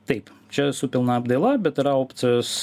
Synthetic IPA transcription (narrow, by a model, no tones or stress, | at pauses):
t̪ɐɪpt͡ʃʲɛsʊpʲɪlˠnɐɐbd̪ɐɪlˠɐbʲɛt̪ɪɾɐoːpʲt̪sʲɪos